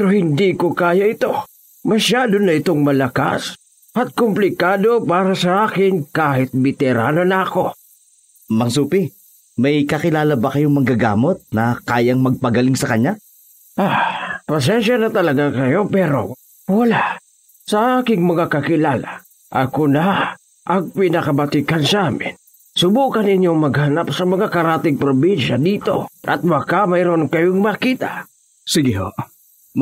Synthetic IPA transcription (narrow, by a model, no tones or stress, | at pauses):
ɾohɪnd̪ikokaːjɐʔɪt̪o̞ | mɐʃjaːd̪onɐɪt̪oŋmɐlɐka̰s | ɐt̪̚kʊmplɪkaːd̪o̞paːɾɐsɐʔaːkɪŋkaːhɪt̪̚bɪt̪ɛɾa̰ːno̞nɐɐko̞ | mɐŋsuːpi | mɐjkɐkɪlaːlɐbɐkɐjoŋmɐŋɡaɡa̰ːmot̪̚nɐkaːjɐŋmɐɡ̚pɐɡɐliŋsɐkɐɲa | ʔapɐs̬ɛnsjɐnɐt̪ɐlɐɡakɐjo̞pɛɾo̰ | wɐlaʔ | sɐʔaːkɪŋmɐŋakɐkɪlaːla̰ | ʔɐkona | ʔɐɡ̚pɪnɐkɐbɐt̪ikɐnsɐʔaːmɪn | sʊbuːkɐnɪnjoŋmɐɡhanapsɐmɐŋakɐɾaːt̪ɪɡ̚pɾobinʃad̪iːt̪o̞̰ʔɐ̰t̪̚wɐkamɐjɾonkɐjoŋmɐkiːt̪a | sɪɡɪho̰ʔ